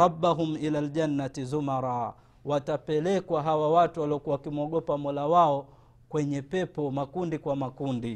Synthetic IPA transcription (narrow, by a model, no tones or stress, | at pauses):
ɾɑbːaɦumilaːld͡ʒanːatizumaɾˤaː | watapɛlɛkwaɦawawatuwaliɔkuawakimɔɠɔpamɔlawaɔ | kwɛɲɛpɛpɔmakundikwamakundi